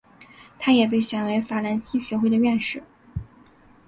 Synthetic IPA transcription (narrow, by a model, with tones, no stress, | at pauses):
t̪ʰa˥jɛ˨˩p̬e˥˩ɪɕɥɛ˨˩nwe˧˥ɪfa˨˩la˧˥nɕi˥ɕɥɛ˧˥xwe˥˩ɪd̪ə˩ɥɛ˥˧nʂɻ̩˥˩